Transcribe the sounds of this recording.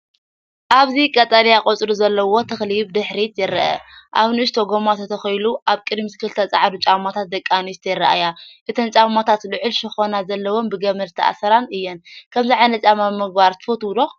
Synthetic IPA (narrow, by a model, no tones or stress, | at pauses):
ʔaβzikʼɐt̪ʼalijakʼot͡sʼɾuzɐlːɐwot̪ʰɨxliβd̪ɨħɾit̪jɪɾɐʔɐ̰ʔa̰βnɨʃt̪ʰoɡomat̪ʰɐt̪ʰɐxɐjluʔaβkʼɨd̪misɨ̥kʰɨlt̪ʰɐt͡sʼaʕad̪ut͡ʃʼawmat̪ʰat̪̚d̪ɐkʼːanisɨt̪ʰɐjrːa̰ʔajaʔɨt̪ʰɐnt͡ʃʼamat̪ʰat̪lɨʕɨlʃɨxo̞nazɐlːɐwo̞mbɨɡɐmɐɾt̪ʰiʔa̰sɐɾanɨjːɛnkʰɐmziʕajnɐt͡ʃʼamamɨɡbaɾt̪ʰɨ̥fot̪wd̪o